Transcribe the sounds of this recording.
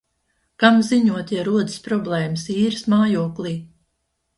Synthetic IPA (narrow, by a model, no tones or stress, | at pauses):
kamziɲuɔt̪jaɾuɔd̪ɨ̥spɾɔblˠɛːmɨsiːɾɨsmaːjuɔklˠiː